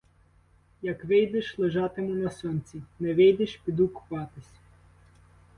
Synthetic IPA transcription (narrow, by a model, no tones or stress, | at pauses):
jɐkʋɪjd̪ɪʃlˠeʒɑt̪ɪmʊnɐsɔnʲt͡sʲinɛʋɪjd̪ɪʃpʲid̪ukʊ̥pɑt̪ɪsʲ